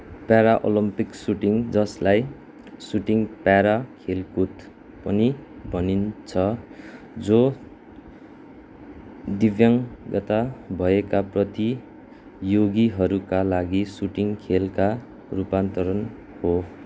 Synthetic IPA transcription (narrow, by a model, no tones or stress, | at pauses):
paɾaʔo̰lʌmpiksuʈiŋd͡zʌslaj | suʈiŋpaɾakʰelkut̪ | pʌnibʱʌnint͡sʰʌ | d͡zo | d̪ibjʌŋɡʌt̪abʱʌekaprʌt̪i | joɡiɦʌɾukalaɡisuʈiŋkʰelka | rupant̪ʌɾʌn | ho